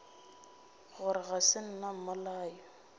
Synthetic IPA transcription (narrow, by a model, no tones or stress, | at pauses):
ɣʊɾɪɣasɪn̩nam̩malaːjɔ